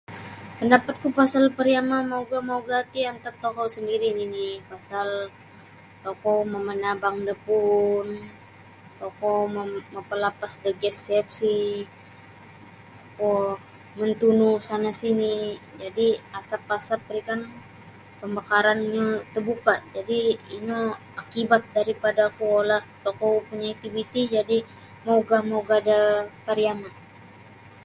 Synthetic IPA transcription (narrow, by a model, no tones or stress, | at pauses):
pəndapat̪̚kupasalpəɾiamamauɡamauɡat̪iant̪at̪ːokosəndiɾininɪpasal | t̪okɔməmənabaŋdapun | t̪ɔkɔməməmpəlapasdəɡɛsːɛp̚sih | t̪okɔ | mənt̪unusanasinid͡ʒadiasapasap̚ɾikan | pəmbakaɾanɲat̪ərbukad͡ʒadiːnu | akibat̪̚daɾipadakuolaht̪okɔpuɲait̪ibit̪id͡ʒadi | mauɡahmauɡadapaɾiaman